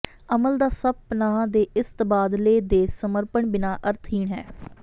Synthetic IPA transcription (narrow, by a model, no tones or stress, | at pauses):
əməld̪aːsəb̚pənãːd̪eːɪst̪baːd̪leːd̪eːsəməɾpəɳbɪnaːʔəɾt̪ʰiːɳɦɛ̰ː